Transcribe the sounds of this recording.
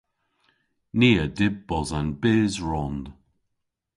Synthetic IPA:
niːədɪbɔzanbeːzɹɔnd̪̥

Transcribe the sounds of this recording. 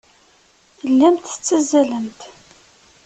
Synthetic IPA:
lːæmt̪ə̥t͡sːæzːælənt̪

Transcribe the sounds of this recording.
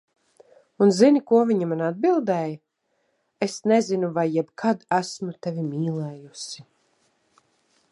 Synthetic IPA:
unzinikuɔviɲamanad̪̚bilˠd̪ɛj | esnezinuvajːɛbkʰad̪æsmut̪ɛvʲimiːlˠɛːjusi

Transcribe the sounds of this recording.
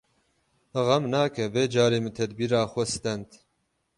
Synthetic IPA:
ɨɣɐmnaːkɛveːd͡ʒaːɾeːmɨt̪ʰɛd̪biːɾaːxʷɛst̪ɛnt̪

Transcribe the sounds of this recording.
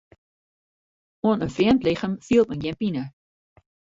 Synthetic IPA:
ɔnənfriəmtlɪχəmfiːlˠpənjɛmpinə

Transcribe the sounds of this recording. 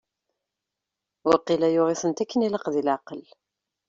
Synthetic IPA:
wʊɾqːilæjʊʁɪsˤənt̪ækːəniləqðilʕɑqəl

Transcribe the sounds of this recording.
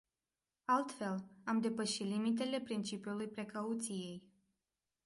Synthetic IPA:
alt̪fe̞lamd̪e̞pəʃit̪limit̪̬e̞le̞pɾint͡ʃipjulujpɾe̞kaut̪sije̞j

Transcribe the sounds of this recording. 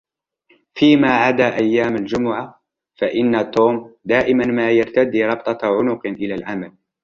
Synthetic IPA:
fiːmaːʕad̪aːʔajːaːmald͡ʒʊmʊʕa | faʔɪnːat̪uːmd̪aːʔɪmanmaːjɑɾˤt̪ad̪iːɾˤɑbt̪ˤɑʕʊnʊqʔɪlaːlʕamal

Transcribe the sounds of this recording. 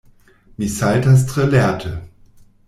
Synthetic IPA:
misaltas̬tʁəlɛɐtʰə

